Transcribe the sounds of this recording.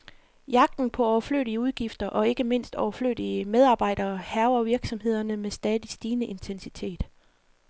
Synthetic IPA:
jɑ̈ɡ̥̚d̥n̩pʰɒ̽ɒʊɐflø̰ːɾiəuð̞ˠɡ̥ifd̥ɐʔɒ̽e̝ɡ̥əme̝n̰sd̥ɒʊɐflø̰ːdiəmeð̞ˠɑ̈ːb̥ɑ̈ɪ̰d̥ɐːhæʊɐʋiɐɡ̥sɒ̽mhe̝ð̞̰ˠɐnəmesd̥ɛːðˠisd̥iːnəʔe̝nt͡sʰensit͡sʰe̝̰ːd̥

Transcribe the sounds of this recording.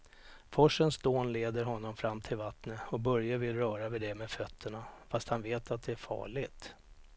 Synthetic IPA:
fɔʂːənsd̪oːnleːd̪əɾɦɔnːɔmfɾamːt̪ʰɪlvat̪nəɔbœɾjavɪlɾœːɾavɪd̪ɛmɛfœt̪ʰːəɳafast̪hanveːt̪ʰat̪̚d̪ɛæɾfɑ̰ːɭɪɡt̪

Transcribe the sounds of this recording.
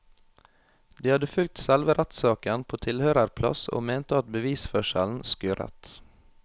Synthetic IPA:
d̪iːhɑd̪əfʉl̚t̪sɛlʋəɾʔæt̪sɑːkənpʰoːt̪ʰɪlhøːɾəɾpʰlɑ̰so̰ːmeːnt̪əɑt̪̚bəʋiːsfœʃə̰ln̩skøːɾɛ̰t̪

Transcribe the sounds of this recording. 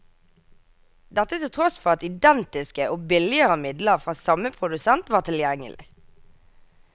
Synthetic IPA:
d̪ɛt̪ət̪ʰɪlt̪ʰʁɔsfɔʁɑt̪ɪd̪ɛnt̪ɪskəʔoːbɪlɪəʁəmɪd̪ləʁfʁɑːsɑməpʰʁʊd̪ʉsɛnt̪ʋɑːʁt̪ʰɪljɛŋə̰lʔɪ̰

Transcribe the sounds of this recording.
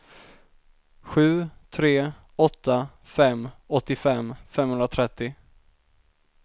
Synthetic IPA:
ɧʉ̟ːt̪ʰɾeː | ɔt̪ːa | fɛmːɔt̪ːɪfɛmːfɛmːhɵnɾat̪ʰɾɛt̪ːɪ

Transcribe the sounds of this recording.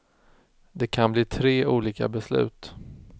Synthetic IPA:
d̪ɛkʰanbliːt̪ʰɾeːuːliːka̰bɛslʉ̟ːt̪

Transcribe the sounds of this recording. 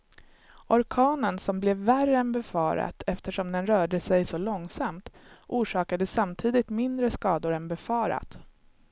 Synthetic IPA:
ʔɔɾkʰɑːnənsɔmblɛvːærəɛnbɛfɑːɾa̰t̪ʰɛft̪əʂɔmd̪ɛnɾœːɖəsɛjsɔlɔŋsamt̪ʔuːʂɑːkad̪əsamt̪ʰiːd̪ɪt̪mɪnd̪ɾəskɑːd̪ʊɾɛnbɛfɑːɾa̰t̪

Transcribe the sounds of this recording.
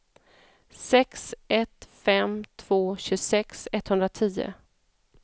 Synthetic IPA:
sɛksɛt̪fɛmt̪ʰv̥oːɕɵsɛksɛt̪ːhɵnɾat̪ʰiːə̰

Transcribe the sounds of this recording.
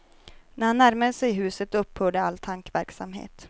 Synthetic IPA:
næɾhanːæɾməd̪sɛjɦʉ̟ːsət̪ɵpːhœːɖəalt̪ʰaŋkʋvæɾksamɦḛːt̪

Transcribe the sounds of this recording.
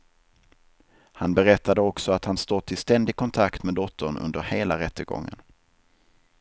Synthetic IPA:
hanbɛɾɛt̪ʰːad̪əɔksɔat̪hanst̪oːt̪ʰːɪlst̪ɛnd̪ɪɡ̚kʰɔnt̪ʰakt̪meːd̪ɔt̪ʰːəɳɵ̰nd̪əɾheːlaɾɛt̪ːəɡɔ̰ŋːə̰n

